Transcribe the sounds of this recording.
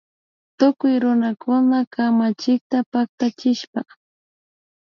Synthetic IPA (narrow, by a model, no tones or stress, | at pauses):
t̪ʊkʊjɾʊnakʰʊnakʰamat͡ʃɪk̚t̪apak̚t̪at͡ʃɪʃpa